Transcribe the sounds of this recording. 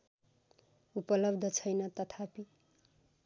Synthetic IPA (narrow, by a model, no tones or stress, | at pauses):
upʌlʌbd̪ʱʌt͡sʰʌjnʌt̪ʌt̪ʰapi